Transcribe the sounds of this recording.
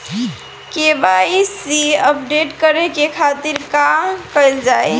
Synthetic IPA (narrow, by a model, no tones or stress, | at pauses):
kebaisiəpɖeʈkəɾekekʰat̪iɾkamkəjld͡ʒae